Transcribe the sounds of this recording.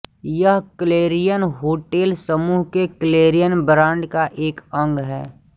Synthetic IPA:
jəɦkəleːɾijənɦoːʈeːlsəmuːɦkekəleːɾijənbəɾãːɳɖkaʔeːkə̃ŋɡɦɛ̰ː

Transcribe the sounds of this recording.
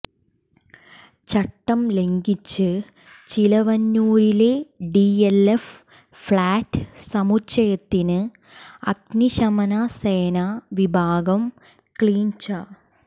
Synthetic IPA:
t͡ɕɐʈːɐmle̞ŋɡit͡ɕːɨ | t͡ɕilɐʋɐnːuːɾileɖielef | fɭaːʈːɨsɐmut͡ɕːɐjɐt̪ːinɨ | ɐɡniɕɐmɐnɐseːnaʋibʱaːɡɐm | kɭiːɲt͡ɕɐ

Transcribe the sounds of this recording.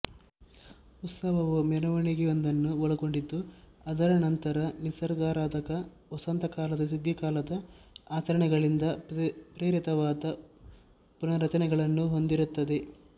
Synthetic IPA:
ut̪sɐɦɐʋumɐnɐʋɐɳiɡɛjond̪ɐnːuoɭɐɡo̞ɳɖid̪ːu | ɐd̪ɐɾɐnɐnt̪ɐɾɐnisɐɾɡaːɾaːd̪ɐkɐ | ɔsɐnt̪ɐkaːlɐd̪ɐsuɡ̪jɐkaːlɐd̪ɐaːt͡ʃɐɾɐɳɛɡɐɭind̪ɐpɾeːɾit̪ɐʋaːd̪ɐ | punɐɾɐt͡ʃɐnɛɡɐɭɐnːuɦo̞nd̪iɾut̪ːɐd̪e̞

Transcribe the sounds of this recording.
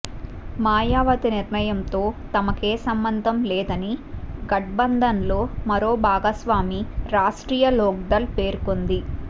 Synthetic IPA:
maːjaːʋɐt̪iniɾnɐjɐmt̪o̞ːt̪ɐmɐke̞ːsɐmbɐnd̪ʱɐmlɛːd̪ɐniɡɐʈ̚bɐnd̪ʱɐnlo̞ːmɐɾo̞ːbʱaːɡɐsʋaːmiɾaːʂʈɾiːjɐlɔːɡ̚d̪ɐlpeːɾukond̪i

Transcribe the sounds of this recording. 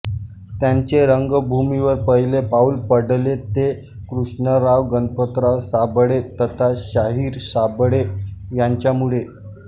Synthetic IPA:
t̪jaɲt͡ɕeɾəŋɡəbʱumiʋəɾpəjlepaulpəɽlet̪e | kɾuʂɳəɾaʋɡənpət̪ɾasabɽet̪ət̪ʰaɕaɦiːɾsabɽejaɲt͡ɕjamuɭe

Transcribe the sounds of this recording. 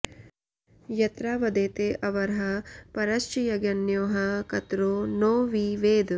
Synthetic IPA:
jɐt̪ɾaːʋɐd̪eːt̪eːʔɐʋɐɾɦɐpɐɾɐʃt͡ʃjɐɡɐnjoːɦɐkɐt̪ɾoːnoːʋiʋeːd̪

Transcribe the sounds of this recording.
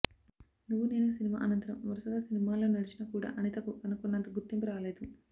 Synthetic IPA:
nuʋːune̞ːnus̬inima̰ːʔɐnɐnt̪ɐɾɐmʋɐɾusɐɡaːsinimaːlo̞ːnɐɽit͡ʃinɐkuːɽa̰ːʔɐnit̪ɐkuɐnukunːɐnt̪ɐɡut̪ːimpiɾaːle̞ːd̪u

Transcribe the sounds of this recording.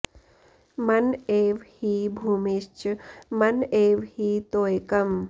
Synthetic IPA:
mɐneːʋhiːbʱuːmist͡ʃmɐneːʋhiːt̪oːjkɐm

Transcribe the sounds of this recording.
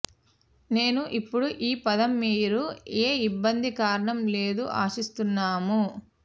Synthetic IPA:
ne̞ːnuʔipːuɽuʔiːpɐd̪ɐmːiːɾueːibːɐnd̪ikaːɾɐɳɐmle̞ːd̪uʔa̰ːsist̪unːaːmu

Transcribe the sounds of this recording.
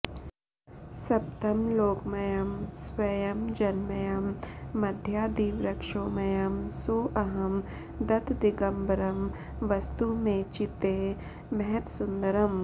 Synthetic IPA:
sɐp̚t̪ɐmloːkmɐjɐmsʋɐjɐmd͡ʒɐnmɐjɐmːɐd̪ʱjaːd̪iːʋɾɐkʂoːmɐjɐmsoːʔɐɦɐm | d̪ɐt̪d̪iɡɐmbɐɾɐm | ʋɐst̪umẽt͡ʃɪt̪eː | mɛɦɛt̪sʊnd̪ɐɾɐm

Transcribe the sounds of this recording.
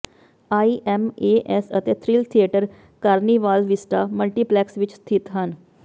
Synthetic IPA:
aːiːʔɛmeːʔɛsət̪eːt̪ʰɾiːlt̪ʰieːʈəɾ | kaːɾniːʋaːlʋɪsʈaːməlʈiːplɛːksʋɪt͡ʃst̪ʰɪt̪ɦən

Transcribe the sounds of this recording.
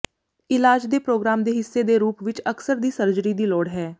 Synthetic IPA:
ɪlaːd͡ʒd̪eːpɾoːɡɾaːmd̪eːɦɪsːeːd̪eːɾuːpʋɪt͡ʃəksəɾd̪iːsəɾd͡ʒɾiːd̪iːlɔːɽɦɛː

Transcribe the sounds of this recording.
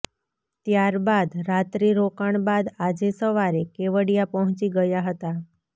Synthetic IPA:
t̪jaɾbad̪ɾat̪ɾiɾokaɳbad̪ad͡ʒesəʋaɾekeʋəɽijapəɦʊ̃t͡ʃiɡəjaɦət̪a

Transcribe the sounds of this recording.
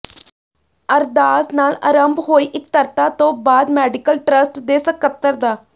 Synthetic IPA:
əɾd̪aːsnaːlə̰ɾəmbɦoːiːʔɪk̚t̪əɾt̪aːt̪õːbaːd̪mɛːɖɪkəlʈɾəsʈd̪eːsəkət̪ːəɾd̪aː

